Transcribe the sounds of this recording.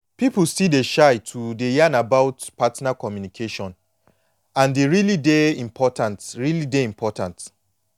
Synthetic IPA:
piplsideʃaɪtʰudejanabaʊtpatnakɔmjunikʰeʃɔ̃n | ãndeɹilideĩmpʰɔtãntɹilideĩmpʰɔtãnt

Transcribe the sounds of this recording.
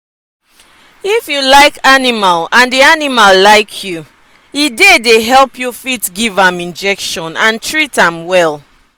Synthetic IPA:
ifjulaɪkanimalãndianimalːaɪkʰju | idedeɦɛlˠpjufitɡivãmĩnd͡ʒɛkʃɔ̃nãntʰɹitãmwɛlˠ

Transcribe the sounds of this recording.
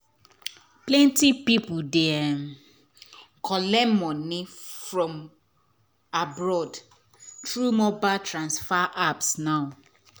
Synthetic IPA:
plɛ̃ntipipudɛɛ | kʰɔlɛmɔ̃nɪ̃fɹɔ̃m | abɹɔd | tɹumɔbatʰɹãnsfaʔapsnaʊ

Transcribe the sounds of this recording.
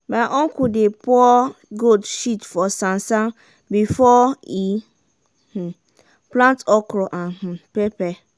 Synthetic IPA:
baʔɔ̃ŋkudepɔɔɡodʃitfɔsãnsã | bifɔi | h̩ | plãntɔkɾɔʔãnhũpepɛ

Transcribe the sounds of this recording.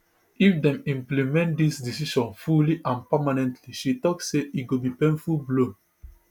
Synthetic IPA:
ifdɛ̃mĩmplimɛ̃ntdisdisiʃɔ̃nfuliʔãnpamanɛ̃ntʰliʃitɔksseʔiɡobipẽnfulblõn

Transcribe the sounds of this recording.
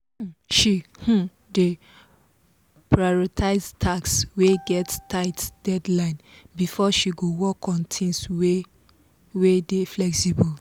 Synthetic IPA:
hʃih̩ | de | pʰɹajɔtʰaɪztʰaksweɡɛttʰaɪtd̥ɛdlãɪ̃nbifɔʃiɡowɔkʰɔ̃ntʰĩŋswe | wedeflɛksibɔl

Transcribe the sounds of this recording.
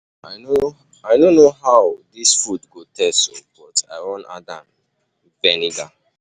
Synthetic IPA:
aɪno | aɪdonːoɦaʊdisfudɡotʰɛsob̥ɔta̰ɪwɔ̃na̰dãn | vɛniɡa

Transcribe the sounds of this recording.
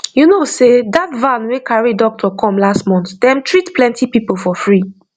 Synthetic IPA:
junosedatvãnwekʰaɹidɔk̚tʰɔkʰɔ̃mlastmɔ̃nθd̪ɛ̃mtʰɹitpʰlɛ̃ntʰipipolfɔfɹi

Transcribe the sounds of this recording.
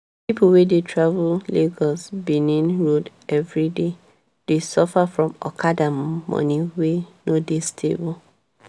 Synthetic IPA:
pipʰulwedetʰɹavulleɡɔsbinĩnɹod | ɛvɹide | d̥esɔfafɹɔ̃mɔ̰kʰadammɔ̰niwenodistʰḛbul

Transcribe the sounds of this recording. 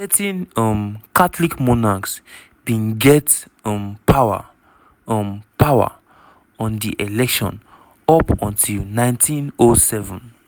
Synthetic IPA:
tɛtĩnɔmkatlikmɔnaks | b̥ĩnɡɛt | ɔ̃mpʰawa̰ | ɔmpawa̰ | ɔ̃ndiʔelɛkʃɔ̰̃n | ɔpɔ̃ntʰilnãɪ̃ntʰĩnosɛvɔ̃n

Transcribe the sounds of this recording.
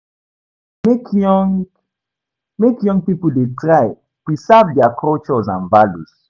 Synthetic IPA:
mekŋ | mekjɔ̃ŋɡpipuldetʰɹaɪ | pɹisɛvdɛakʰɔlt͡ʃɔzã̰nvalus

